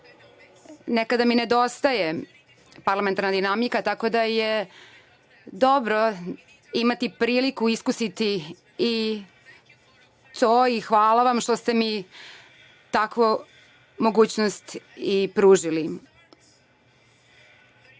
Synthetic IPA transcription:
nekad̪amined̪o̞st̪aje̞ | paɾlament̪aɾnad̪inamikat̪ako̞d̪aje | d̪o̞bɾo | imat̪ipɾiːlikuiskusit̪i | i | t̪oːixʋaːlaʋamʃt̪o̞st̪e̞mi | t̪akʋo | mo̞ɡuːt͡ɕnost̪ipɾuːʒili

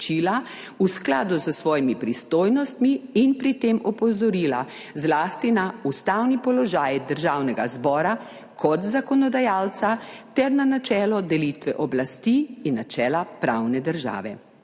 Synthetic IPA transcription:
t͡ʃiːla | usklaːd̪uzəsʋɔːjimipɾist̪oːjnɔst̪miːnpɾit̪emɔpɔzɔɾiːla̰ | zlaːst̪inaust̪awnipɔlɔʒaːjd̪əɾʒawnɛɡazbɔːɾa | kʰɔt̪zakɔnɔd̪ajalt̪sat̪ɛɾnanat͡ʃɛːlɔd̪ɛlit̪ʋɛʔɔblast̪iinːat͡ʃɛːlapɾawnɛd̪əɾʒa̰ːʋɛ̰

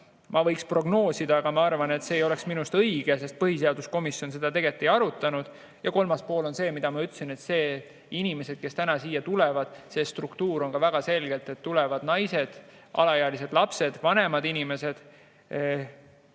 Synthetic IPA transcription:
mɑvɤjkspro̞ɡno̞ːsid̪ɑɑɡ̥ɑmɑɑrvɑne̞t̪se̞ːjo̞le̞ksminust̪ɤijɡ̥e̞se̞st̪̚pɤɦis̬e̞ɑd̪usko̞misjo̞nse̞d̪̥ɑt̪e̞ɡet̪ːˑiɑɾut̪ːˑɑnud̪̥ | jɑko̞lmɑspo̞ːlo̞nse̞ːmid̪̥ɑmɑyt̪ːˑsine̞t̪se̞ː | inime̞se̞d̪̥ke̞st̪ænɑsiːjɑt̪ulevɑd̪̥se̞ːst̪rukt̪uːɾo̞nkɑvæɡ̥ɑse̞lɡe̞lt̪e̞t̪ːulɛvɑd̪̥nɑjse̞d̪̥ | ʔɑ̰lɑjeɑlis̬e̞d̪̥lɑpse̞d̪̥vɑne̞mɑd̪inime̞se̞d̪̥

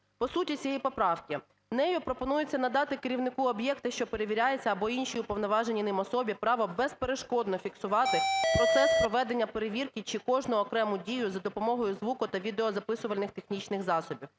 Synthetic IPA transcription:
pɔsutʲit͡sʲijipɔpɾɑwkʲi | nɛjʊpɾɔpɔnujʊt͡sʲːɐnɐd̪ɑt̪ɪkɪɾʲiwnɪkuɔbjɛkt̪ɪʃt͡ʃɔpeɾeʋʲiɾʲajet͡sʲːɐːbɔinʃiʊpɔʋnɔʋɑʒenʲinɪmɔsɔbʲipɾɑʋɔbɛspeɾeʃkɔd̪nɔfʲiksʊʋɑt̪ɪpɾɔt̪sɛspɾɔʋɛd̪e̞nʲːɐpeɾeʋʲirkʲit͡ʃɪkɔʒnʊɔkɾɛmʊdʲijʊzɐd̪ɔpɔmɔɦɔjʊzʋukʊt̪ɐʋʲid̪eɔzɐpɪsʊʋɐlʲnɪxt̪exnʲit͡ʃnɪxzɑsɔbʲiw

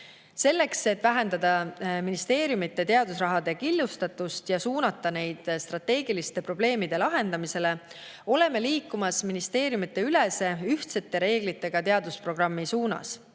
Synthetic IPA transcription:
se̞lːe̞kse̞t̪ːˑvæɦe̞nd̪ɑd̪̥ɑminist̪e̞ːɾjumit̪ːˑe̞t̪e̞ɑd̪̥usrɑɦɑd̪̥e̞kilːust̪ɑt̪ːˑust̪jɑsuːnɑt̪ːˑɑne̞jd̪̥st̪rɑt̪ːe̞ːɡilist̪e̞pro̞ble̞ːmid̪̥e̞lɑɦe̞nd̪̥ɑmise̞le̞ | o̞le̞me̞liːkːˑumɑsminist̪e̞ːɾjumit̪ˑːe̞yle̞se̞yht̪se̞t̪ˑːe̞ɾe̞ːɡ̥lit̪ˑːe̞ɡ̥ɑt̪e̞ɑd̪̥uspro̞ɡ̥rɑmːisuːnɑ̰s

